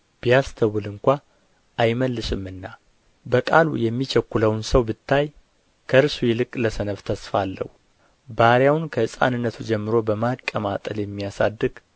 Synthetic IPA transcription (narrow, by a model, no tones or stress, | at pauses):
b̥ijast̪ʰəwɨlɨŋkʷa | ʔajməlːɨʃɨmɨnːa | bəkʼalṵjɛmːit͡ʃʰəkʷːuləwnsəwbɨt̪ʰːaj | kʰəɨɾsujɛlɨkʼləsənəβt̪ʰəsfalːə̰h | baɾjawnkʰəɨsʼa̰nɨnːət̪ʰud͡ʒɛmːɨɾo̞bəmakʼːəmat̪ʼəljɛmːijasa̰d̪ːɨɡ